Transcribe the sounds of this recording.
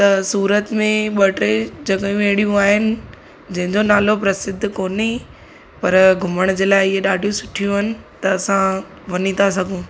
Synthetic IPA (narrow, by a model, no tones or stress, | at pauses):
t̪ɐsuːɾət̪mẽɓɐʈɾed͡ʑɐɠ̃ʋẽːɽijũaːɦɪnɪ̆ | d͡ʑɐ̃ɦɪ̃ɲd͡ʑonaːlopɾɐsɪd̪ʱːkoːne | pɐɾɡʱʊməɽ̃d͡ʑeːlaːɪɪɦeɗaːɖʱijũsʊʈʰijũɦɐnɪ̆t̪ɐːsã | ʋɐnit̪ʰas̬ɐɡʱũː